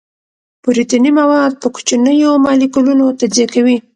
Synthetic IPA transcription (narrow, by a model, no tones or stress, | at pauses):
puɾit̪animawɑd̪̚pəku̥t͡ʃanəjomɑlikulunot̪azijakawi